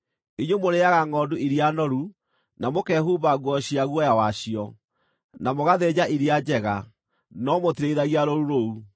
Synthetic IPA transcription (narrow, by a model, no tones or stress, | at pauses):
eɲwomoɾeaɣaŋɔːduiɾianɔɾu | namokɛhuβaɣwɔɕiaɣwɔjawaɕiɔ | namoɣaðed͡ʑaʔiɾiad͡ʑɛɣa | nɔmotiɾeiðaɣiaɾoɾuɾou